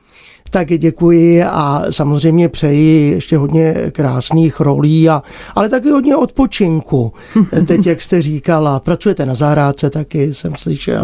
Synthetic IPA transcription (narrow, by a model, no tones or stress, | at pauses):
t̪akɟɛkujɪa̰samo̞zr̝ɛjmɲɛpr̝̥ɛjɪjɛʃcɛɦo̞d̪ɲɛkɾaːsniːxɾo̞̰liːaʔalɛt̪ak̬ɪɦodɲɛo̞t̪̚po̞t͡ʃɪŋku | t̪ɛcjakst̪ɛriːkalapɾat͡sujɛt̪ɛnazaɦɾaːt͡sɛt̪akɪsɛmslɪʃɛ̰l